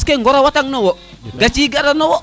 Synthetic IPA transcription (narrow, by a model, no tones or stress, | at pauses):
skeŋɡɔɾawataŋnɔwo | ɡat͡ʃiːɡaɾanɔwɔ